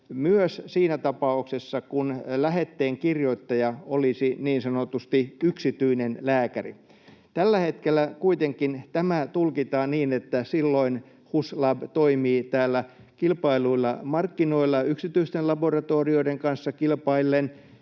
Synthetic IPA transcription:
myøssiːnæt̪ɑpɑuksesːɑkunlæhet̪ːeːŋkirjoit̪ːɑjɑolisiniːnsɑnot̪ust̪iyksit̪yinenlæːkærḭ | t̪ælːæhet̪kelːækuit̪eŋkint̪æmæt̪ulkit̪ɑːnniːnet̪ːæsilːoin | huslɑbt̪oimiːt̪æːlːæ | kilpɑiluilːɑmɑrkːinoilːɑyksit̪yist̪elɑborɑt̪oːrioideŋkɑnsːɑkilpɑilːen

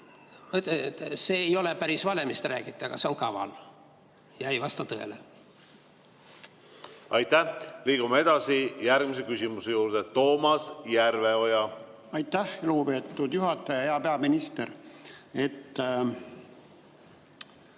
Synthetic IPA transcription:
mɤt̪ːet̪ːse̞ːjo̞lepæɾisvɑle̞mist̪ræ̰ːkit̪ːˑeɡ̥ɑse̞o̞ŋkɑvɑ̰l | jɑejvɑst̪ɑt̪ɤe̞̰le | ɑjt̪ːæhliːɡ̥umee̞d̪̥ɑsijæɾɡ̥mise̞kysʲimusejuːɾd̪̥et̪o̞ːmɑsjærveo̞jɑ | ɑjt̪ːˑæhluɡube̞ːt̪ːˑud̪̥juɦɑt̪ːˑɑjɑeɑpeɑminist̪eɾet̪ː

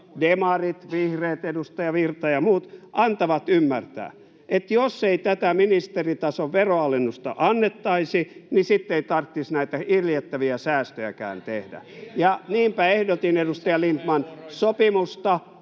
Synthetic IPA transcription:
demɑrit̪ʋihreːt̪edust̪ɑjɑʋirt̪ɑjɑmuːt̪ʔɑnt̪ɑʋɑt̪ymːært̪æ̰ː | ʔet̪josːeit̪æt̪æminist̪erit̪ɑsoʋʋeroɑlːenːust̪ɑ̰ʔɑnːet̪ːɑisinisit̪ːeit̪ɑrt̪ːisnæit̪æirjet̪ːæʋiæsæːst̪øjæ̰kæ̰ːnt̪ehdæ̰jɑniːmpæehdot̪inedust̪ɑjɑlint̪mɑnsopimust̪ɑ

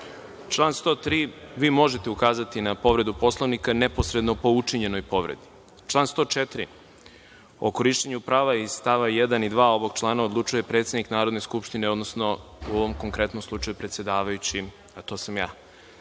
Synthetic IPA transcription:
t͡ʃlˠaːnst̪o̞ːt̪ɾiːʋiːmo̞ʒe̞t̪e̞ukaːzat̪inapo̞ʋɾe̞d̪upo̞slˠoʋnikanepo̞sɾe̞d̪nopo̞ut͡ʃiɲe̞no̞jpo̞ʋɾḛd̪i̥ | t͡ʃlˠaːnst̪o̞ːt͡ʃet̪ɾḭ | o̰ko̞ɾiʃt͡ɕeɲupɾaːʋaist̪aʋajed̪anid̪ʋaːo̞ʋo̞ɡt͡ʃlˠaːnao̞d̪lˠut͡ʃuje̞pɾet̪sjed̪niknaːɾo̞d̪ne̞skupʃt̪ine̞o̞d̪no̞sno̞uoʋo̞mko̞ŋkɾe̞t̪nomslˠut͡ʃajupɾet̪sje̞d̪aːʋajut͡ɕi | at̪o̞ːsamjaː

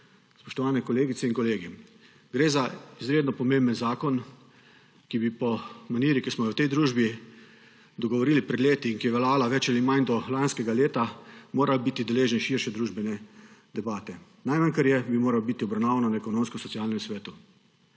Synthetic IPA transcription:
spɔʃt̪ɔʋaːnɛkɔleːɡit̪ɛiŋkɔleːɡi | ɡɾeːzaizɾeːd̪nɔpɔmẽmbənzaːkɔn | kibipɔmaniːɾikismɔjɛwt̪ɛjd̪ɾuːʒbi | d̪ɔɡɔʋɔɾiːlipɾɛd̪leːt̪iːŋkijɛʋɛlaːlaʋɛt͡ʃalimand̪ɔlanskɛɡaleːt̪amoːɾawbit̪id̪ɛleːʒɛnʃiɾʃɛd̪ɾuːʒbɛnɛd̪ɛbaːt̪ɛ | najmankaɾjɛbimoːɾawbit̪iɔbɾawnaːʋananaɛkɔnõmskɔsɔt̪sijalnɛmsʋɛːt̪u

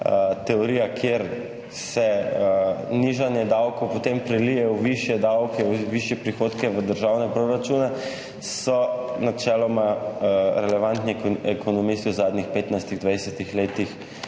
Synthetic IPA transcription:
t̪ɛoɾiːjakʰjeɾ | sɛəniʒanjɛd̪awkowpot̪empɾɛlijɛwʋiʃjɛd̪awkɛwʋiʃjɛpɾixoːt̪kɛʋəd̪əɾʒawnɛpɾoɾat͡ʃunɛ | sɔnat͡ʃɛːlɔma | ɾɛlɛʋant̪niɛkʰonɔmist̪iwzaːd̪nixpeːt̪najst̪iɣd̪ʋajsɛt̪ixleːt̪ix

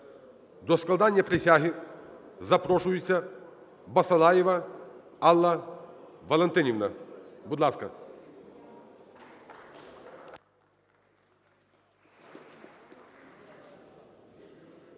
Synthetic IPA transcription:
d̪ɔsklˠɐd̪anʲjɐpɾʲɪsʲaɦɪ | zɐpɾɔʃʊjʊt͡sʲːɐ | bɐsɐlˠajɪʋɐ | ɑlˠːɐ | ʋɐlˠɛnt̪ɪnʲiʋnɐbʊd̪lˠɑskɐ̰

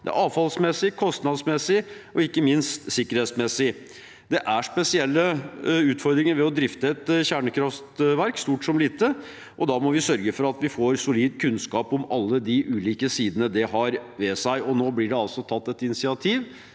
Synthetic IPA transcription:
d̪ɛ̰æ̰ɾɑːʋfɑlsmɛsːɪkʰɔst̪nɑd̪smɛsːɪʔɔɪkːəmɪnst̪sɪkːəɾhɛːt̪smɛsːɪ | d̪ɛʔæʂpɛsɪɛlːəʉːt̪fɔɾd̪ɾɪŋəɾʋɛɔd̪ɾɪft̪əɛt̪çæːɳəkʰɾɑft̪ʋæɾkst̪uːʈsɔmliːt̪ə | ʔɔd̪ɑːmɔʋɪsœɾɡəfɔɾɑt̪ʋɪfoːɾsʊliːd̪kʰʉnskɑːpɔmɑlːəd̪ɪʔʉːliːkəsiːd̪ənəd̪ɛɦɑɾʋɛsæɪɔnoːblɪɖɛɑlsɔt̪ʰɑt̪ːɛt̪ɪnɪsɪɑt̪ʰiːʋ

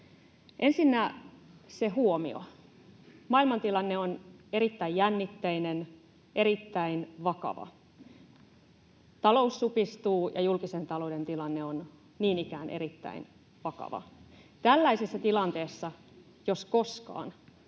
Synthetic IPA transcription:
ʔe̞nsinːæ | seɦuomḭo̰ | mɑilmɑnt̪ilɑnːeoneɾit̪ːæijjænːit̪ːeinen | ʔeɾit̪ːæinʋɑkɑ̰ʋɑ̰ | t̪ɑlousːupist̪uːjɑ̰julkisent̪ɑloudent̪ilɑnːeon | niːnikæːnʔḛɾit̪ːæ̰in | ʋɑkɑ̰ʋɑ̰t̪ælːæisesːæt̪ilɑnt̪eːsːɑ | josko̞skɑ̰ːn

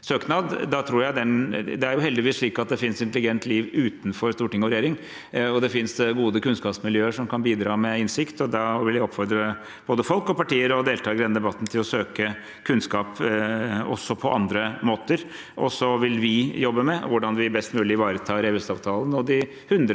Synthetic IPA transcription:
søːknɑd̪d̪ɑt̪ʰɾuːɾjæɪd̪ɛnd̪ɛæɾjʊɦɛld̪ɪʋiːsʂɭiːkɑt̪̚d̪ɛfɪnsɪnt̪əlɪɡɛnt̪liːʋʉːt̪n̩fɔɾst̪uːɾʈɪŋːɔʋɾɛjeːɾɪŋ | ɔd̪ɛfɪnsɡuːd̪əkʉnskɑːpsmɪljøːəʂɔmkʰɑnbiːd̪ɾɑːmɛɪnsɪkt̪ɔd̪ɑʋɪljæɔpːfɔɾd̪ɾə | b̥oːd̪əfɔlkɔpɑʈiːəɾɔd̪eːlt̪ʰɑːɡəɾd̪ɛnd̪ɛbɑt̪ːn̩t̪ʰɪlɔsøːkə | kʰʉnskɑːp | ɔ̰sːɔpʰɔʔɑnd̪ɾəmoːt̪əɾ | ʔɔsɔʋɪlʋɪjɔbːəmɛʋʊɖɑnʋɪbɛst̪mʉːlɪɪʋɑːɾət̪ʰɑːɾɛʋɪst̪ɑːʋt̪ʰɑːlənɔd̪ɪ | hʉnd̪ɾ

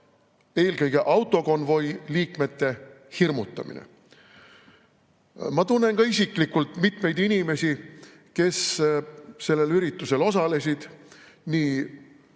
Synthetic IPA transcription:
e̞ːlkɤjɡ̥e̞ʔɑwt̪ːˑo̞ko̞nvo̞jliːkme̞t̪ːe̞ | hirmut̪ˑːɑ̰mḭnḛ | mɑt̪unːe̞nkɑisʲiklikːult̪ˑmit̪me̞jd̪inime̞sʲi | ke̞s | se̞lːe̞lyɾit̪ːˑuse̞lo̞sɑle̞s̬ʲid̪̥ | niː

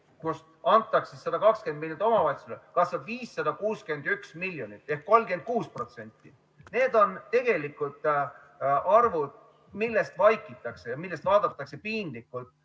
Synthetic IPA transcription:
kus | ɑnt̪ˑːɑksesɑd̪̥ɑkɑkske̞nd̪milʲjonit̪ˑo̞mɑvɑjt̪sulekɑsɑd̪viːsːɑd̪̥ɑkuːske̞nd̪yksmiljo̞nit̪ːˑe̞hkːo̞lmke̞nd̪̚kuːspro̞t̪se̞nʲt̪ːi | ne̞ːd̪o̞nt̪e̞ɡ̥e̞likːˑult̪ˑ | ɑrvud̪̥̚ | milːe̞st̪vɑjkːˑit̪ːˑɑkse̞jɑmilːe̞st̪vɑːd̪̥ɑt̪ːˑɑkse̞piːnd̪likːˑult̪

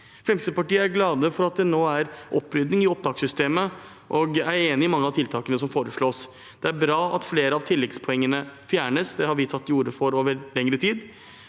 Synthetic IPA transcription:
fɾɛmsəəpɑʈiːəæɾɡlɑːd̪əfɔɾɑt̪̚d̪ɛnoːæɾʔɔpːɾʏd̪nɪŋɪɔp̚d̪ɑːksʏst̪eːmə | ʔɔɡæɾeːnɪɪmɑŋːəɑʋt̪ʰɪlt̪ʰɑːkənəsɔmfoːɾəʂɭoːs | d̪̥ɛæɾbɾɑːɑt̪fleːɾəɑʋt̪ʰɪlːɛɡspʰɔɛŋːənəfjæːɳəsd̪ɛhɑɾʋɪt̪ʰɑt̪ːɪjuːɾəfɔɾoːʋəɾlɛŋɾət̪ʰiːd̪

